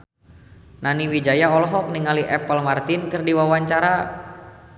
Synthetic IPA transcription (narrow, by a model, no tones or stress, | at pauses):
naniwid͡ʒajaɔlɔɦɔk̚niŋaliʔɛpəlmart̪inkɨrdiwawaɲt͡ʃaɾa